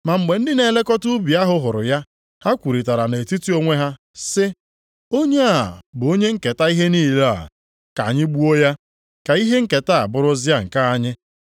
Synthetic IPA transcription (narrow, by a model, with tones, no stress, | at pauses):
ma˨ŋ͡m̩˨ɡ͡be˨n̩˦dɪ˦ne˨le˦kɔ˦tʊ˦bi˨a˦ɦʊ˦ɦʊ˨ɾʊ̰˨ja˦ | ha˦kʷu˨ɾi˨ta˨ɾa˨ne˨ti˦ti˦o˦ŋʷe˦ɦa˦ | sɪ˦ | o˦ɲe˦a˨bʊ˨o˦ɲe˦ŋ̩˦ke˨ta˦i˦ɦe˦niː˦˨la̰˨ | ka̰˨ɲɪ˦ɡ͡bu˦o˦ja˦ | ka˨i˦ɦe˦ŋ̩˦ke˨ta˦˨a̰˨bʊ˦ɾʊ˦zɪ˦a˦ŋ̩˨ka˦a˦ɲɪ˦